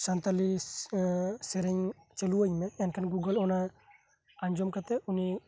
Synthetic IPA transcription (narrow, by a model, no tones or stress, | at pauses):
sant̪ali | sɛɾɛɲ | t͡ʃeluəɲmɛɛnkʰanɡuɡəlɔna | aɲd͡ʒɔmkat̪ɛuni